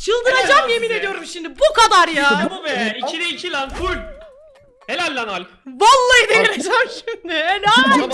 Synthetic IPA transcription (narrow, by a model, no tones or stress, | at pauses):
t͡ʃʰɯlˠd̪ɯɾad͡ʒamje̞minɛd̪yjo̞ɾumʃimd̪ibukʰad̪aɾjaumɛicʰid̪ɛicʰilʲanfʰuɾ | helʲælʲːænalʲ | valˠːaiɯd̪ejaɾad͡ʒæmʃimd̪ɪæna